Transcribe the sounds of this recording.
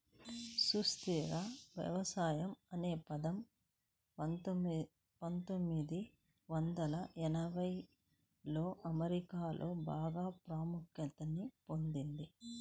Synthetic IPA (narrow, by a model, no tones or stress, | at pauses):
sust̪iɡaːʋjɐ̰ʋɐsaːjɐmɐne̞ːpɐd̪ɐm | pɐnt̪omːid̪i | ʋɐnd̪ɐlɐʔɛnɐbʱɐj | lo̞ːʔɐmɐɾikaːlʔo̞̰ːbaːɡaːpɾaːmukjɐt̪ɐnːipo̞nd̪ind̪i